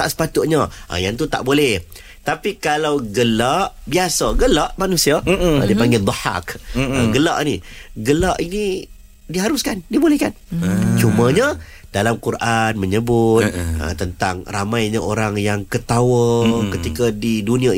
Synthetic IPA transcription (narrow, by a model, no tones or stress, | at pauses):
aʔsə̥pat̪ʊʔ̚ɲaʔə̰jaŋt̪ut̪a̰ʔbolɛh | t̪apikalawɡəlaʔbiasaɡəlaʔmanusiaə̰dipaŋɡɪd̪ɔħa̰kəɡəla̰ʔniɡəlaʔini | diɦaɾʊskandibolehkant͡ʃumãɲə | d̥alamkuɾʔanməɲəbʊt̪̚ə̰t̪ənt̪aŋramajɲə̃ʔoɾaŋjaŋkət̪awəkət̪ikadidunĩã